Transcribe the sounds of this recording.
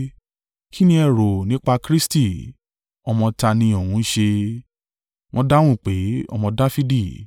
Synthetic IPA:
ki˦nĩ˧ɛ˦˨ɾo˨nĩ˨˦k͡pa˧kɾi˦sti˦˨ | ɔ˧mɔ̃˧ta˧nĩ˧ɔ˨wũ˨˦ʃe˧ | w̃ʔɔ̃˧da˦w̃ũ˦˨k͡pe˨˦ɔ̰˧mɔ̃˧da˦fi˦di˦˨

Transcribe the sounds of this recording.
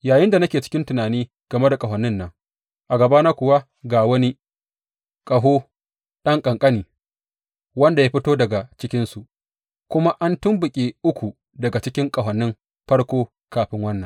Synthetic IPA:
jaː˨jɪ˦nda˨nɐ˦kʲeː˨t͡ʃɪ̥˦kʲɪ˦ntʊ˨naː˨niː˦ | ɡ̥ɐ˨me˦da˨kʼɐ˨ɦɐ˨nːɪ˦nːɐ˨ŋ | ʔa˨ɡɐ˨baː˦naː˦kʷʊ˨wa˦ | ɡaː˨wɐ˦ni˦ | kʼɐ˨ɦoː˦ | ɗɐ˦ŋkʼɐ˨ŋkʼɐ˦niː˨ | wɐ˦nda˨jaː˦ɸɪ˦toː˦dɐ˨ɡa˨t͡ʃɪ˦kʲɪ˦nsu˨ʔ | kʷʊ˦ma˦ʔa˦ntʊ˦mbʊ˨kʲʼe˨ʔʊ˦kʷu˨ | dɐ˨ɡa˨t͡ʃɪ˦kʲɪ˦ŋkʼɐ˨ɦɐ˨nːɪ˦m | ɸɐ˦ɽkʷoː˦ | kaː˨ɸɪ˦ŋwɐ˦nːɐ˨ŋ

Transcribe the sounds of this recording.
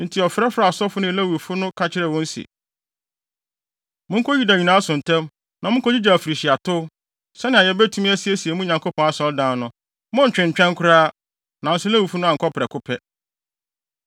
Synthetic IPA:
n̩˨tʰi˨ɔ˨fɾɛ˦fɾa˦˨a˨sɔ˦fʊ˦nɪ̃˦˨læ˦wu˨fʊ˦nʊ̃˦kʰa˦t͡ɕʰɪ˦ɾɛ˨wɔ̃˦n̩˦si˨ḛ˨ | mʊ̃˦ŋ̩˦kʰɔ˦ji˦da˨ɲĩ˨nã˦sʊ̃˨n̩˨tʰɛ̃˦m | nã˨mʊ̃˦kʰɔ˦d͡ʑi˦d͡ʑa˨fɾi˨ɕi˨a˨tʰʊ˦ | sɛ˦nɪ̃˨a˨jɛ˦bɛ˦tʰu˦m̃˦ɛ˦si˨˦ɛ˦si˨e˨mũ˦ɲã˨ŋko˦pʰɔ̃˨˦a˨sɔ˨˦dãː˦nʊ̃˦ | mʊ̃˦ɲ̩˨t͡ɕᶣɪ̃˨ɲ̩˨t͡ɕᶣɛ̃˦ŋkʰʊ˦ɾaː˦ | nã˨n̩˦sʊ˦læ˦wu˨fʊ˦nʊ̃˦a˨kʰɔ˦pʰɾɛ˨kʰʊ˦pʰɛ˦

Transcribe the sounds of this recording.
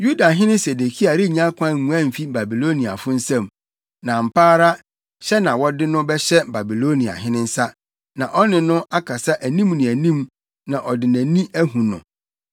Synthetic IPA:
ju˦da˨ɦɪ̃˦nɪ̃˦se˨de˨kʰi˦a˨ɾɪ˦˨ɲã˦kʷʰã˦˨mũ˨æ̃˦˨m̩˨fi˦ba˨bi˨lo˦nĩ˨a̰˨fʊ˦n̩˦sã˦˨m | nã˨m̩˨pʰaː˦ɾa˦ | ɕɛ˦nã˨wɔ˦dɪ˦nʊ̃˦bɛ˦ɕɛ˦ba˨bi˨lo˦nĩ˨a̰˨ɦɪ̃˦nɪ̃˦n̩˦sa˦ | nã˨ʔɔ˦nɪ̃˨nʊ̃˦ʔa˦kʰa˨sa˦ʔæ˨nĩ˦mnɪ̃˨æ˨nĩ˦m | nã˨ʔɔ˨dɪ˨næ̃˨nĩ˦ʔæ˦ɦũ˨nʊ̰̃˨

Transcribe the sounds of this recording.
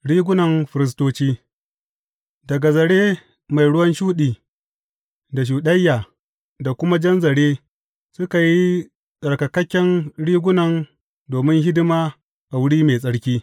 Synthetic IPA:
ɽiː˦ɡʷʊ˦nɐ˨mɸɪ˨ɾɪ˨s̬toː˦t͡ʃiː˦ | dɐ˨ɡa˨zɐ˨ɽeː˦ | ma˨jɽʊ˦wɐ˦nʃuː˦ɗiː˨ | da˨ʃ̬uː˨ɗɐ˦jːaː˨ | da˨kʷʊ˦ma˦d͡ʒɐ˦nzɐ˨ɽeː˦ | sʊ˦ka˨ji˦ | sʼɐ˨ɽkɐ˨kɐ˦kʲːɛ˦nɽiː˦ɡʷʊ˦nɐ˨n | doː˨mɪ˦ŋɦɪ˦dɪ˦maː˦ | ʔa˨wʊ˦ɽiː˦meː˨sʼɐ˦ɽkʲiː˦

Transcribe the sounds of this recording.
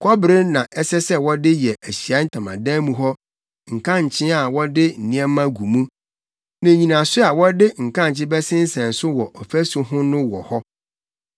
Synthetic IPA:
kʰɔ˦bɾɪ˦nã˨ʔɛ˦sɛ˦sɛ˦wɔ˦dɪ˦jɛ˨ʔæ˨ɕi˨a˦n̩˦tʰã˨mã̰˨dã˦mũ˨ɦɔ˦ | ŋ̩˨kʰã˦ɲ˨t͡ɕʰɪ̃˦a˨wɔ˦dɪ˦n̩˨nɪ̃˦ɛ̃˦mã˦ɡu˨mũ˦ | nã˨ɲĩ˨nã˨sʊ˦a˨wɔ˦dɪ˦ŋ̩˨kʰã˦ɲ̩˨t͡ɕɪ̃˦bɛ˦sɪ̃˦n̩˦sɛ̃˨n̩˨sʊ˦wɔ˨ʔɔ˨fæ˦su˨ɦʊ̃˦nʊ̃˦wɔ˨hɔ˦

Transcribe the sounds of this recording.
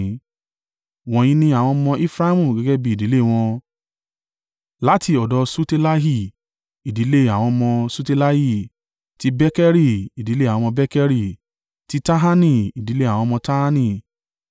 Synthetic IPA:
w̃ɔ̃˧j̃ĩ˦nĩ˧a˨w̃ɔ̃˧mɔ̃˧ʔi˦fɾa˦mũ˦˨ɡɛ˨˦ɡɛ˦bi˦i˨di˨˦le˦˨w̃ɔ̃˧ | la˦ti˧ɔ˨dɔ˨˦su˦te˦la˦ɦi˦˨ | i˨di˨˦le˦a˨w̃ɔ̃˧mɔ̃˧su˦te˧la˦hi˦˨ | ti˦bɛ˦kɛ˦ɾi˦˨i˨di˨˦lẽ˦˨ɔ̃˧mɔ̃˧bɛ˦kɛ˦ɾi˦˨ | ti˦ta˦ɦa˦nĩ˧˨i˨di˨˦le˦a˨w̃ɔ̃˧mɔ̃˧ta˦ha˦nĩ˦˧˨

